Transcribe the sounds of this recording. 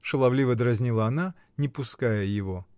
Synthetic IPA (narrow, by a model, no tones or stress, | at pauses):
ʂɨlˠɐvlʲivəd̪ɾɐzʲnʲilˠəɐna | nʲɪpʊskajəjɪvo